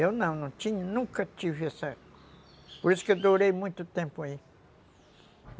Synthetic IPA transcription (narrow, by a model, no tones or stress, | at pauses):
eonãnõt͡ʃiɲũnũkat͡ʃifesa | poɾesked̪oɾejmũit̪ot̪ẽmpoai